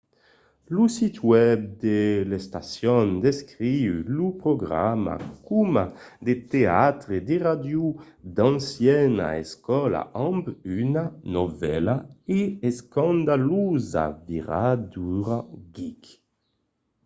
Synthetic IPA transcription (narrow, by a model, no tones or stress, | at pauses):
lusit̪wɛb̚d̪elest̪asjɔnd̪eskʁiylupɾoɡʁa̰ma̰kumad̪et̪eat̪ʁed̪eʁad̪ju | d̪ãnsjɛna̰ɛskɔla̰ʔɔ̃mbynanovɛ̰laeɛskãnd̪aluza̰viʁad̪uʁaɡik